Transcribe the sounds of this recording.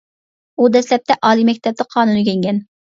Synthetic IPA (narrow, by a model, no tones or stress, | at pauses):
ud̪ɛslɛp̚t̪ʰɛʔɑːlˠimɛk̚ʲt̪ʰɛp̚t̪ɨqʰɑːnunɨkʲʰeŋɡʲɛn